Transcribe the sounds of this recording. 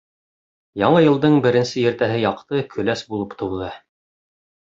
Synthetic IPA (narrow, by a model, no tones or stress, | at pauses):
jɑɴɤjɤ̆lˠd̪ɤɴbɘ̆ɾɘ̆nsɘjɘ̆ɾt̪æɦɘjɑqt̪ɤkʰɵ̆læsbulˠɤpt̪ʰŭwðɤ